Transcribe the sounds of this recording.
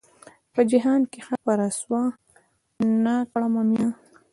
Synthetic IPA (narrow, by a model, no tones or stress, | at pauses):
pəd͡ʒɪɦɑnkexapaɾaswa | nakɽamamjɑ